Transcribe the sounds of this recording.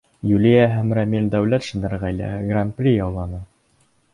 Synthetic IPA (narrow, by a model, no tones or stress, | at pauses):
julijæɦæmræmild̪æwlæt̪ʃɤ̆nd̪ɑɾʁæjlæ̰ɡranprʲijɑwlˠɑnɤ